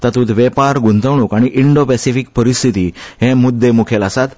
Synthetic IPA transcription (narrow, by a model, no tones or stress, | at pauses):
t̪ət̪uːt̪ʋɛpaɾɡunt̪əʋɽ̃ũkaɽ̃iʔiɳɖopɛsifik̚pəɾist̪ʰit̪iːɦɛ̃mud̪ːemukʰelasat̪